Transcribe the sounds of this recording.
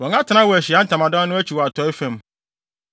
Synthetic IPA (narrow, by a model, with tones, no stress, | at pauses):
wɔ̃˨ŋã˦tʰɪ˨˦nã˦wɔ˨æ˨ɕɪ˨a˦n̩˦tʰã˨mã˨dã˦nʊ̃˦æ˦t͡ɕʰi˨wɔ˨a˨tʰɔ˨˦ɪ˦fɛ̃˦˨m